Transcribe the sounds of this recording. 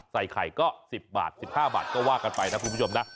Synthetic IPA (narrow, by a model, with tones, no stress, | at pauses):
sa˨˩jkʰa˨˩jkɔː˥˩si˨˩p̚ba̰ː˨˩t̪̚si˨˩p̚haː˥˩ba̰ː˨˩t̪̚kɔː˥˩waː˥˩ka˧npa˧jna˦˥kʰu˧˦˥o˧na˦˥